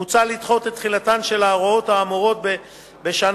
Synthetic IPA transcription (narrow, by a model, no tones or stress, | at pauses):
ut͡salit̪χo̞t̪et̪ːχilatanʃe̞laːʁoo̞t̪haːmoʁo̞t̪̚be | be̞ʃan